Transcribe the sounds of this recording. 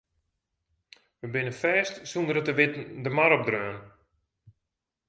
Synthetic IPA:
ʋəbɪnəfɛːstsundəɾətəʋɪtən̩dəmaɾɔb̚drøːn

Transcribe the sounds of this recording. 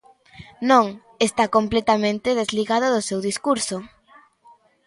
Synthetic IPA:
nõŋ | est̪akomplet̪amẽnt̪ɪðezliɣaðʊðʊsewðiskuɾsʊ

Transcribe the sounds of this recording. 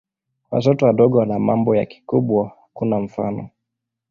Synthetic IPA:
wa̰tɔtɔwaɗɔɠɔwanamambɔja̰ki̥kuɓwahakunaɱ̩fa̰nɔ

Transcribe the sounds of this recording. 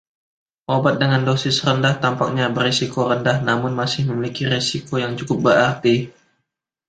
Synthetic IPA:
ʔobat̪̚dəŋandosɪsrəndaht̪ampak̚ɲabəresikoɾəndahnamʊnmasɪhməmilikiɾesikojaŋt͡ʃukʊp̚bəɾart̪i

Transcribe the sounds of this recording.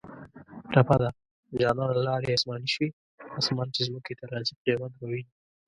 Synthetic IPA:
ɾapad̪a | d͡ʒɑnɑnalɑɾeasmɑniʃwi | ɑsmɑnt͡ʃezməket̪aɾɑzipɾemad̪wawini

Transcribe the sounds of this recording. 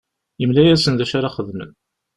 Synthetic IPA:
jəmlæjæsənðæʃaɾaχəðmə̰m

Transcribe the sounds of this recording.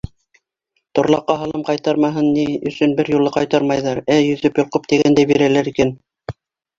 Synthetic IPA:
t̪ŏɾlˠɑqːɑɦɑlˠɤmqɑjt̪ɑɾmɑɦɤnːiɵ̆sɵnbɘɾjulˠɤqɑjt̪ɑɾmɑjðɑɾæjɵ̆ðɵpjŏlqop̚t̪iɡænd̪æjbiɾælæɾikæn

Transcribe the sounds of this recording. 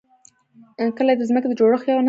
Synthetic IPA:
kəlajed̪əzməked̪əd͡ʒoɽəxjɑwana

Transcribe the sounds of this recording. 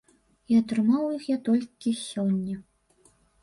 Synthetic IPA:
iat̪ɾɨmawjixjat̪ɔlʲkʲisʲɔnʲːɐ

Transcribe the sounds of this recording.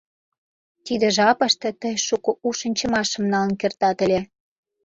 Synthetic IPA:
t̪id̪ĕʒɑpə̆ʃt̪ɤ̆t̪əjʃukouʃə̆nʲt͡ɕə̆mɑʃə̆mnɑlə̆nkert̪ɑt̪ə̆lʲe

